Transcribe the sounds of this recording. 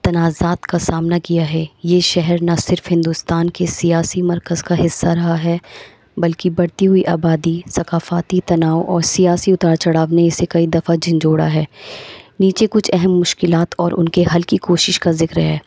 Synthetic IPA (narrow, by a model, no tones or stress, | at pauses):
t̪ɐnaːzaːt̪kasaːmnakijaɦɛːjeːʃɛɦɛɾnasɪɾfɦɪ̃nd̪ʊst̪aːnkesijaːsimɐɾkəzkaɦɪsːaɾɐɦaɦɛː | bɐlkibɐɽt̪iɦʊiʔaːbaːd̪isɐkaːfaːt̪it̪ɐnaːoʔɔːɾsijaːsiʊt̪aːɾt͡ʃɐɽaːʋneɪsekɐid̪ɐfad͡ʒɪ̃nd͡ʒoːɽa̰ɦɛːniːt͡ʃekʊt͡ʃʰɛɦɛmːʊʃkɪlaːt̪ɔːɾʔʊ̰nkeɦɐlkikoːʃɪʃkazɪkɾɦɛ̰ː